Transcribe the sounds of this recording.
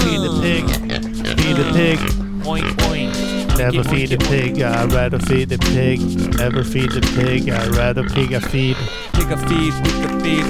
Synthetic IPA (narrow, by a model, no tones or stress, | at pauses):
fid̪̚ðɨpʰɪɡ̥ | fidɨpʰɪɡ | pʰɔ̃ɪ̃npʰɔ̃ɪ̃n | nɛə˞fidɨpʰɪɡaɪɹæɾəfidɨpʰɪɡnɛvə˞fid̪̚ðɨpʰɪɡa̰ɪɹæɾəpʰɪɡɨfid̚ | pʰɪɡəfid̚ɪðɨpid